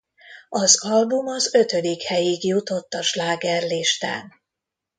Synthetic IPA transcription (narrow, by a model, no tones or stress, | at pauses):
ɒzɒlbumɒzø̞t̪ød̪ikhɛjiɡjut̪o̞t̪ːɒʃlaːɡɛrliʃt̪a̰ːn